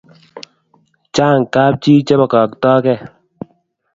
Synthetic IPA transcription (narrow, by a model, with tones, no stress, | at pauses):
t͡ʃaː˦˨ŋ˨kaː˦p̚t͡ʃiː˦t͡ʃɛ˦ba˨kɔ˨k̚tɔː˦kɛ˦˨